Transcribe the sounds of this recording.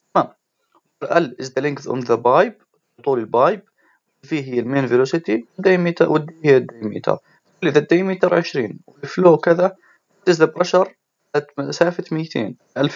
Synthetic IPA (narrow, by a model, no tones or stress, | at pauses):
t̪maːm | ɾʔalːʔɪzd̪alɪŋɡðʔʊ̰nðabaːjb̚ | t̪ˤuːlɪlbaːjb̚ | wɪlfiːɦɪjːalmeːnviloːsɪt̪iwd̪amit̪wɪd̪ːihjːad̪ːajmḭːt̪ʰɑ̰ɾˤ | ɪlːiðad̪ajmiːt̪ɑɾˤʕɪʃɾiːnwɪlfloːwkɪða | t̪ɪzd̪abɾˤɑʃɑɾˤ | at̪msaːfat̪mɪjːt̪ʰḛːn | ʔalf